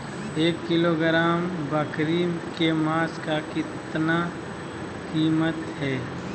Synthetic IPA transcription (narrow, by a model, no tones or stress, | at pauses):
eːkːɪloːɡɾaːmbəkɾiːmkemaːskakɪt̪na | kiːmət̪ɦɛː